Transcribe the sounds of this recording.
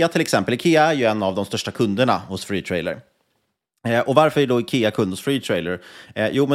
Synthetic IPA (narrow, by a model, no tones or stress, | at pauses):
at̪ʰɪlɛksɛmpəlɪkʰeːaæɾjɵɛnːavd̪ɔmst̪œʂʈakʰɵnd̪əɳa̰hʊsfɾiːt̪ʰɾɛjlə̰ɾ | ʔɔvaɾfœɾæɖɔɪkʰeːakʰɵnd̪hʊsfɾiːt̪ʰɾɛjləɾjuːmɛ